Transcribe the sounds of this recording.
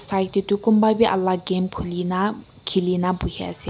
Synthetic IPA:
sajt̚t̪it̪ukumbapiʔɐlːaɡemkʰulina | kʰilinabuhʰa̰se

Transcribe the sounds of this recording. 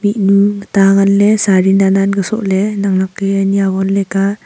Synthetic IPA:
mit̚nutaŋanlesaɾinananɡɯsɔ̰ʔlenaŋnakːɯaniaɡɔnleka

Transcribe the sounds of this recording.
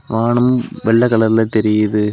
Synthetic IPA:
ʋaːɳɯmʋɛɭːɐkɐɭɐɾɪlɐt̪ɛɾɪjɐðɯ

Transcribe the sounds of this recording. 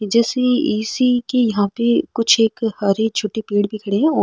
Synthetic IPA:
d͡ʒɛːseiːsikejɐɦãpekʊt͡ʃʰeːkhɐɾet͡ʃʰʊʈːipeːɽbʱikʰɐɽeɦɛ̃oː

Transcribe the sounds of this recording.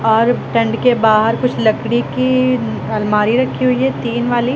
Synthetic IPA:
ɔːɾʈɐ̃ɳɖkebaːɦəɾkʊt͡ʃʰlɐɡɽiki | ɐlmaːɾiɾɐkʰːiɦʊiɦɛt̪iːnʋaːliː

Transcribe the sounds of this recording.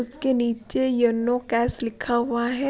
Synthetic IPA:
ʊskeniːt͡ʃejɐnːokɛːslɪkʰaɦʊaɦɛː

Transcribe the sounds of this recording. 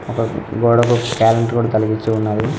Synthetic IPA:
ɔkɐɡɔːɽɐkukaːlɐɳʈkuːɽaːt̪ɐlɐɡit͡ʃːuunːaːd̪i

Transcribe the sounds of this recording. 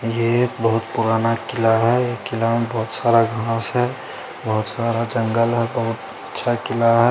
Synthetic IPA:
jekbəɦʊt̪puɾaːnakɪlaɦɛekɪlambɔɦʊt̪saːɾaɡʱãːsɦɛ | bəɦʊt̪saːɾad͡ʒə̃ŋɡəlɦɛbəɦʊt̪ | ətːʃʰakɪlaɦɛ

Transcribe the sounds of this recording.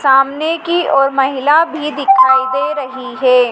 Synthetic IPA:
saːmnekiɔːɾmɐɦɪlabʱid̪ɪkʰaːid̪eːɾɐɦiɦɛː

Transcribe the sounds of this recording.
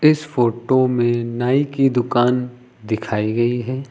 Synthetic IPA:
ɪsfoːʈomẽnaːikid̪ʊkaːn | d̪ɪkʰaːiɡɐiɦɛː

